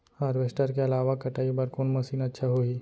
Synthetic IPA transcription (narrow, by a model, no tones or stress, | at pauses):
haːɾʋeːsʈəɾkeɐlaːʋakɐʈaːibɐɾkoːnmɐsiːnɐtːʃʰaɦoiː